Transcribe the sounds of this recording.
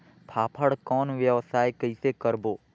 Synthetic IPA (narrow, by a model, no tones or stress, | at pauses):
pʰaːpʰəɽkɔːnʋjəʋsaːjkəisekəɾboː